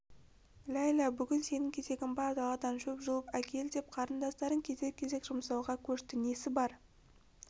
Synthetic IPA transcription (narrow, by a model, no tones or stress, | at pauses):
lʲæjlɑbʏɡʲɪnse̞nɪŋkʲʰe̞ze̞ɡʲɪnbɑɾd̪ɑlˠɑd̪ɑnʒɵpʒʊlˠəpækʲʰe̞ld̪e̞p̚qʰɑɾənd̪ɑst̪ɑɾəŋkʲʰe̞zekʲʰːe̞ze̞kʒ̥ʊmsɑw̪ˠʁɑkʲʰɵʃt̪ɪne̞sɪbɑɾ